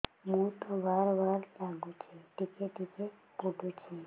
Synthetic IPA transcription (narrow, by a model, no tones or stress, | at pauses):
mũt̪obaɾʋaɾlaɡũt͡ʃʰeʈikeʈike | puɖʱut͡ʃʰe